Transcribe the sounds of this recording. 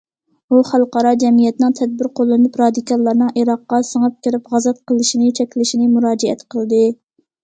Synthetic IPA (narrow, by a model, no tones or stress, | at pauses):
uχælˠqɑɾɑd͡ʒɛmijɛt̪nɨŋt̪ʰɛd̪̚bɪɾqʰolˠːɨnɨpɾɑd̪ikɑlˠːɑɾnɨŋʔiɾɑqːɑsəŋɨp̚kʲɪɾɪpʁɑzɛt̪̚qʰəlˠɪʃinɪt͡ʃʰɛkʲlɪʃinɪmuɾɑːd͡ʒɛɛ̰t̪qʰəlˠd̪ɨ